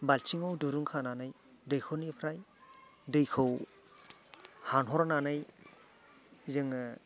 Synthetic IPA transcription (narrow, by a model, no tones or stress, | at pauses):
balt͡ʃʰiŋowduɾɯŋkʰananɯj | dɯjkʰɯwnipʰɾajdɯjkʰɯw | hanɦɔɾananɯj | zɯŋ